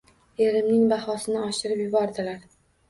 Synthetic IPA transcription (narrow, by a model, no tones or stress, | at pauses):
eɾɪmnɪŋbaχɒsɪnɪɒʃɪɾɪpjʊbɒɾd̪ɪlaɾ